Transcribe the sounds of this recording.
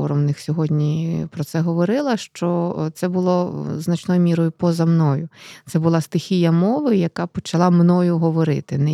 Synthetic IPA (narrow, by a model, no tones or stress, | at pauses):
ɔɾɔmnɪxsʲɔɦɔdʲnʲipɾɔt̪sɛɦɔʋɔɾɪlˠɐʃt͡ʃɔt̪sɛbʊlˠɔznɐt͡ʃnɔjʊmʲiɾɔjʊpɔzɐmnɔjʊt̪sɛbʊlˠast̪ɪxʲijɐmɔʋɪjɐkapɔt͡ʃɐlˠamnɔjʊɦɔʋɔɾɪt̪ɪnɛ